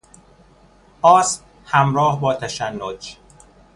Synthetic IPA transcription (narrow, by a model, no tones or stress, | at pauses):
ʔɒːs | hæmɾɒːhbɒːt̪ʰæʃænːod͡ʒ